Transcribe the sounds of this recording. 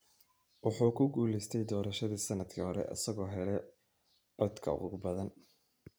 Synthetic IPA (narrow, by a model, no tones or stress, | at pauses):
wɑħuːkʰʊɡuːlɛst̪ʰɛjd̪ɔːɾɐʃɐðiːsɐnɐd̪kʰihɔɾɛ̰ʔɐ̰sɐɣɔːɦɛlɛ | ʕɔd̪kʰɐ̰ʊ̰ɣʊbɐðɐn